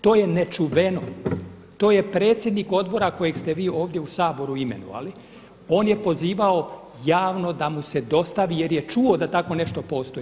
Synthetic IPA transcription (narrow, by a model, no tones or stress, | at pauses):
t̪o̞ːjenet͡ʃuʋeno | t̪o̞ːjepɾe̞ːt̪sʲje̞d̪niko̞d̪bo̞ɾako̞jeɡst̪eʋiːo̞ːʋd̪je̞usaːbo̞ɾuime̞̰nṵʋa̰li | o̞ːnje̞po̞ziːʋao | jaːʋno̞d̪amuse̞d̪o̞st̪aʋijeɾjet͡ʃuo̞d̪at̪ako̞ne̞ʃt̪o̞po̞ːst̪o̞ji